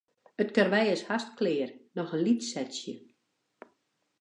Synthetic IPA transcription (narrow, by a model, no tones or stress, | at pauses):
ətkərʋɛjəshastklɪːrnɔxənlitsɛtsjə